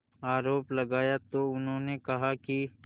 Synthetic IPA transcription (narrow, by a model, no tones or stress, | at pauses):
aːɾoːplɐɡaːjat̪oʊnɦõːnekɐɦaki